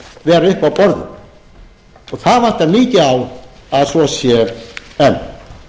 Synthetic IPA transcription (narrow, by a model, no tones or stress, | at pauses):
vɛːɾaʏhpawpɔɾðʏ̰m | ɔθaðvant̪aniːcɪawaðsɔsjɛɛn